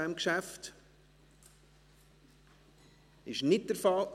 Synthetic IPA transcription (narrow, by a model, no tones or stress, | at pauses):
ɛmkʃæft | ɪʃnɪt̚d̥əɾfɑl